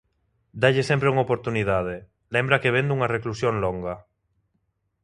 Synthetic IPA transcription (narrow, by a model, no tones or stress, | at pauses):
d̪aʎɪsẽmpɾeuŋopoɾt̪uniðaðɪ | lembɾɐkeβẽnd̪uŋɐreklusjoŋloŋɡɐ